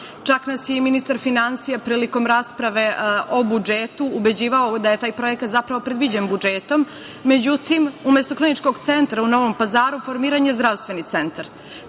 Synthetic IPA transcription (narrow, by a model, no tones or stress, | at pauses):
t͡ʂaknasjeminist̪aɾfinansijapɾiːliko̞mɾaːspɾaʋe̞ʔo̞bud͡ʒet̪uːbe̞d͡ʑiːʋaod̪aje̞t̪aːjpɾo̞jekat̪zapɾaʋo̞pɾe̞d̪ʋid͡ʑenbud͡ʒeːt̪o̞mː | ed͡ʑut̪imumest̪oklinit͡ʃko̞ɡt̪sent̪ɾauno̞ʋompazaːɾufoɾmiːɾaɲezd̪ɾaʋst̪ʋe̞nit̪se̞nt̪aɾ